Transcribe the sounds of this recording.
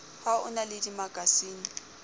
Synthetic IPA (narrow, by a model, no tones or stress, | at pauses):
haʊ̰nalɪdimaɡʼʱasiːni